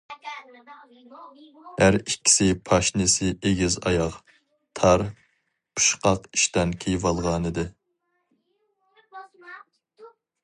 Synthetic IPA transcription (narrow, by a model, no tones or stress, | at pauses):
hæɾikʲʰːi̥sɪpʰɑʃnɪsɪeɡʲizɑ̰jɑq | t̪ʰɑɾ | pʰu̥ʃqɑqiʃt̪ɛnkʲʰejvɑlˠʁɑːnɨd̪ɨ